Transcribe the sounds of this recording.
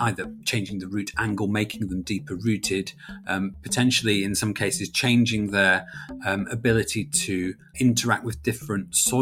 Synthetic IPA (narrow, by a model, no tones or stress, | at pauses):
ʔaɪðət͡ʃʰẽɪ̃nd͡ʒɪ̃ŋðəɹʉˑtʰãŋɡəlˠmeɪkʰɪ̃ŋðə̃mdiˑpʰəɹʉˑtʰɪd̥ʌ̃pʰətʰɛ̃nʃəlˠiɪ̃nsʌ̃mkʰeɪsɪz̥t͡ʃʰẽɪ̃nd͡ʒɪ̃ŋðə | əbɪlɪtʰitʰə | ɪ̃ntʰəɹa̰k̚t̚wɪðdɪfɹə̃ntsɔ